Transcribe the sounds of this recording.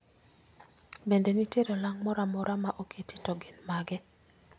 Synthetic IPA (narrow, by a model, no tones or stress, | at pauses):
bendeniteɾolaŋmɔɾamɔɾamaʔokʰeti̥tɔɡenmaɡɛ